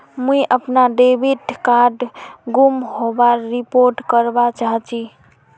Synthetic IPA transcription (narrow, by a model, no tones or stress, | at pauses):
mũiʔəpnaɖebiʈkaɾɖɡumɦobaɾipoɾʈkəɾbat͡ʃaɦt͡ʃʰi